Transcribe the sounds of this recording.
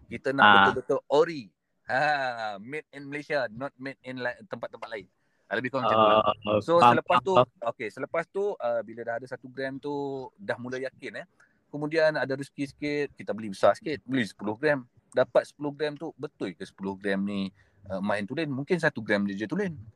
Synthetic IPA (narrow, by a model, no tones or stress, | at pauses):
kit̪anaʔəʊbət̪əʔoɾi | amɪt̪̚ɛnməlesianɔt̪̚mɛt̪̚ɛnlat̪ːəmpat̪ːəmpat̪̚laɪn | aləbɪhkɔŋsaasosələpast̪uokesələpast̪uʔəbiladaɦadasat̪uɡɾɛmt̪udahmulajakɪnəh | kəmudianadaɾuskisə̥kɪt̪̚kit̪abəlibəsasə̥kɪt̪̚bəlɪsə̥pulʊhɡɾɛm | dapat̪̚sə̥pulohɡɾɛmt̪ubət̪ʊjkəsə̥pulʊhɡɾɛmni | əmãɪnt̪ulənmũŋkɪns̬at̪uɡɾɛmd͡ʒəd͡ʒət̪ulən